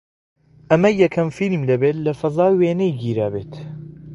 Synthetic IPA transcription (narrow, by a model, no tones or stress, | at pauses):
ɐmɐjɛkʰɐmfilmlɐbet̪lɐfɐzaːweːnɛjɡiːɾaːbḛːt̪